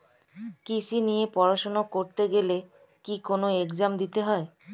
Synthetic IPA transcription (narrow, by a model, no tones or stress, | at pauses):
kisinijepɔɾaʃonokoɾt̪eɡele | kikonoekzamd̪it̪eɦɔe